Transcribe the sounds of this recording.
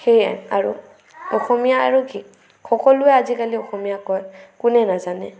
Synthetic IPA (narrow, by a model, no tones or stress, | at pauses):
xeja̰a̰ɹṵ | ɔxɔmijaa̰ɹuki | xɔkɔlʊɛazikaliɔxɔmijakɔjkʊnɛnazanɛ